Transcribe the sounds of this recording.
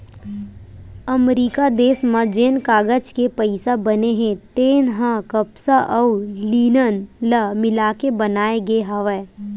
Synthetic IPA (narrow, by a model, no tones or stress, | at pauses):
ɐmɾiːkad̪eːsmãd͡ʒeːnkaːɡəd͡ʒkepɐɪsabɐneɦɛ̃t̪eːnɦãkɐpsaʔɐuliːnənləmɪlaːkebɐnaːeɡɦɐʋɛː